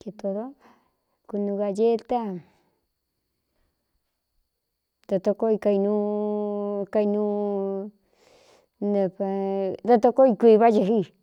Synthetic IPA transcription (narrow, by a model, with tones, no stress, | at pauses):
ke˧t̪o˧ɾo˦ | ku˧nũ˧ɣa˧je˦t̪a˦ | d̪a˧t̪o˧ko˦i˧ka˧i˧nũ˧ | ka˧i˧nũ˧ | nẽ˧pa˧d̪a˧t̪o˦˧ko˦i˧kʷi˧βa˦d͡ʒe˧ɦi˦˨